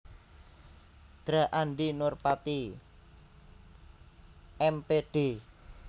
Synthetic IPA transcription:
d̪̥ɾa̤ʔanɖ̪inʊrpat̪i | ɛmpeɖ̥e̤

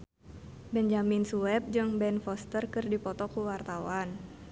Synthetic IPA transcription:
bɛnd͡ʒaminsuɛp̚d͡ʒɨŋbɛnfɔst̪ərkɨrdipɔt̪ɔkuwart̪awan

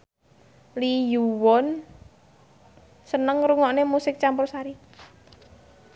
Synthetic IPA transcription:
lijuwɔn | sənəŋɾuŋɔʔnemusɪk̚t͡ʃampʊrsaɾi

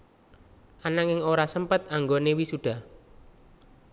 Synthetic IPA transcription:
ʔanaŋɪŋoɾasəmpət̪̚aŋɡonewisuɖ̥a̤

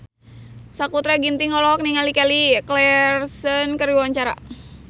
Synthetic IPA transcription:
sakut̪ɾaɡint̪iŋɔlɔk̚niŋalikaliklɛrsənkəɾiwaɲt͡ʃaɾa̰

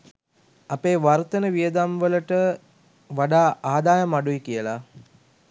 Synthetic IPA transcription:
apeːʋart̪ənəʋijəd̪amʋələʈə | ʋaɖaːaːd̪aːjəmaɖuikijəla

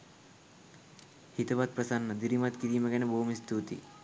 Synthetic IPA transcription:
hit̪ɐʋat̪̚pɾɐsanːɐd̪iɾimat̪kiɾijməɡɛneboːumist̪uːt̪ḭ

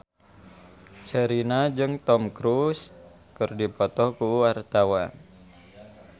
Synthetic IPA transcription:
t͡ʃəɾinad͡ʒɨŋt̪ɔmkɾus | kɨrdipɔt̪ɔkuwart̪awa

